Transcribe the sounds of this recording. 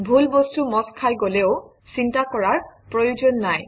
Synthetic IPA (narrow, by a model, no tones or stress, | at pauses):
bʱulbostumɔskʰajɡoleʊ | sintakɔɹaɹpɹojozonːaj